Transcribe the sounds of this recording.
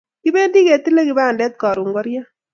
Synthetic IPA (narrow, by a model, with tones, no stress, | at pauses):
ki˦be˦ndi˦ke˨t̪i˦le˦ki˨ba˦a˨ndɛ˦t̪̚kɑ˨ɾu˨ŋɡɔ˦ɾja˦